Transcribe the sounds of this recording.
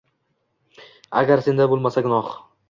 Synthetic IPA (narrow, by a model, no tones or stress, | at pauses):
a̰ɡʲaɾse̞nd̪abolˠmasaɡʊnɒχ